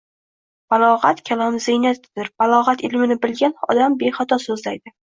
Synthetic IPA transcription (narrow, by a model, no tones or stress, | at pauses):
b̥alˠɒʁat̪kʲʰalˠamzɪjnat̪d̪ɪɾb̥alˠɒʁat̪ɪlmɪnɪbɪlɡʲanɒ̰d̪ambeχat̪ʰɒsɵzlajd̪ɪ